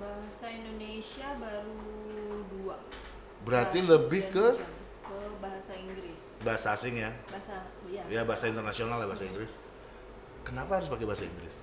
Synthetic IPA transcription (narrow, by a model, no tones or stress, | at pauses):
baɦasaindonesiabaɾudua | bəɾart̪iləbɪhkə | kəbaɦasaiŋɡɾɪs | baɦasaːsɪŋjabaasa | jjabaɦasaint̪ərnasionalabaɦasaiŋɡɾɪs | kənapaaɾʊspakebaɦasaḭŋɡɾɪ̰s